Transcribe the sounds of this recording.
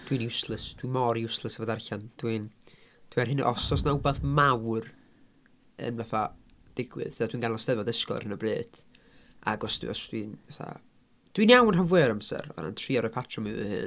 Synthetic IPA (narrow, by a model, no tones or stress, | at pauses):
d̥winiʊslˠəsd̥wimɔɾiʊslˠəsavɔdarɬand̥wind̥wɛrɦɪn̰ʔɔsɔsnaʊbaθmawr | ə̰nvaθad̥ɪɡwɨ̰ðəðadwiːnɡanlɔstɛvɔðəskɔ̰r̥hnəbleːd̥ | a̰ɡɔsd̥̰ɔsd̥winvaθa̰ | d̥winjawnɦanvwɛːɾamsɛ̰ɾɔ̰ɾa̰ntʰriːɔɾɔpʰatʰrɔmɨvɨ̰hɨ̰n